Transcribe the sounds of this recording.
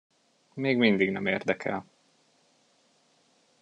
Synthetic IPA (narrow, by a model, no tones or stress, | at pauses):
meːɡmind̪iɡnɛmeːrd̪ɛkʰɛ̰l